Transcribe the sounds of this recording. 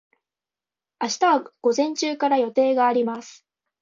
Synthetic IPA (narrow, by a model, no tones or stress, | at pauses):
aɕi̥t̪aβaɡ̥o̞zẽ̞ɲt͡ɕɨːkaɾajo̞t̪e̞ːɡaːɾʲimasɨ̥